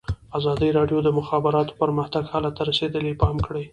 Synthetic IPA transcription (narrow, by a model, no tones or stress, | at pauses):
azɑd̪əjɾɑɖjod̪əmʊxɑbɪɾɑt̪o̥pəɾməxt̪aɡhalat̪aɾased̪əlepɑmkɽəj